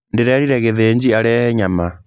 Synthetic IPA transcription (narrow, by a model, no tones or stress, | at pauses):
ndeɾɛɾiɾɛɣeðeɲd͡ʑiaɾɛhɛɲama